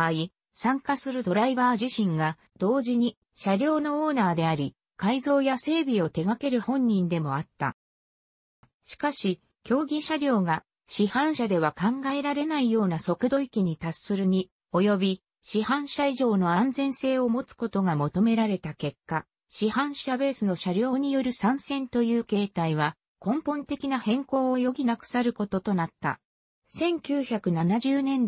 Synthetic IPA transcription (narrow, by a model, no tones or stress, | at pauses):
ai | sãŋkasɨɾɯ̟d̪o̞ɾaibaːʑiɕĩŋɡa | d̪̥o̞ːʑiɲ̟i | ɕaɾʲo̞ːno̞oːnaːd̪e̞aɾʲi | kaizo̞ːjase̞ːbʲio̞t̪e̞ɡake̞ɾɯ̟hõ̞ɲ̟ːĩnd̪e̞mo̞at̪ːa̰ | ɕi̥kaɕi | kʲo̞ːɡʲiɕaɾʲo̞ːɡa | ɕihãɰ̃ɕad̪e̞β̞akãŋɡae̞ɾaɾe̞naijo̞ːnaso̞kɯ̟d̪o̞ikʲiɲ̟it̪asɨɾɯ̟ɲ̟i | o̞jo̞bʲi | ɕihãɰ̃ɕaiʑo̞ːno̞ãnd͡zẽ̞ɰ̃se̞ːo̞mo̞t͡sɨ̥ko̞t̪o̞ɡamo̞t̪o̞me̞ɾaɾe̞t̪ake̞kːa | ɕihãɰ̃ɕabe̞ːsɨno̞ɕaɾʲo̞ːɲ̟ijo̞ɾɯ̟sãɰ̃sẽ̞nt̪o̞jɯ̟ːke̞ːt̪aiβa | kõ̞mpõ̞nt̪e̞kʲinahẽ̞ŋko̞ːojo̞ɡʲinakɯ̟̥saɾɯ̟ko̞t̪o̞t̪o̞nat̪ːa̰ | sẽ̞ŋkʲɨːçakɯ̟nanaʑɨːnẽ̞n